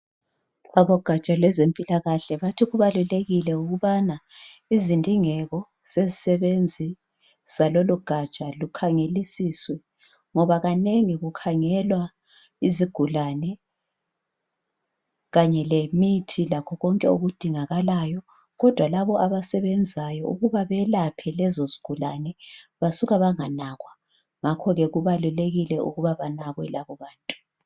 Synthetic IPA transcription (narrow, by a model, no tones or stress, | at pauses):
aβɔɡ̥ʱat͡ʃʼalwɛzempʼilaɣaɬɛβatʰiɣuβaluleɣilɛuɣuβana | izindʱʼiŋɛɣɔ | z̥ezisɛβend͡zʱi | z̥aloluɡ̥ʱat͡ʃʼalukʰaŋelisiswɛ | ŋɔβaɣaneŋiɣukʰaŋɛlwa | iziɡ̥ʱulanɛ | ɣaɲɛlemitʰilakʰɔɣɔŋkʼɛoɣud̥ʱiŋaɣalajɔ | ɣɔd̥ʱwalaβɔʔaβasɛβɛnd͡zʱajɔṵɣuβaβɛlapʰɛlɛzoziɡ̥ʱulanɛβasuɣaβaŋanaɣwa | ŋakʰɔɣɛɣuβaluleɣilɛṵɣuβaβanaɣwɛlaβɔβaːntʼu̥